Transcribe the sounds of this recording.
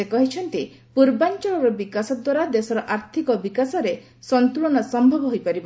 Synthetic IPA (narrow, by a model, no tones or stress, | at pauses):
ekɔɦit͡ʃʰɔnt̪i | puɾbant͡ʃɔɭɔɾɔbikasɔd̪waɾad̪esɔɾɔʔaɾt̪ʰikɔbikasɔɾe | sɔnt̪uɭɔnɔsɔmbʱɔbɔɦojpaɾibɔ